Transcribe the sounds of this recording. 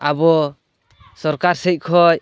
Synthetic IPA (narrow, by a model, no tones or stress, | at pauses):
abɔ | sɔɾkaɾsɛc̚ˀkʰɔj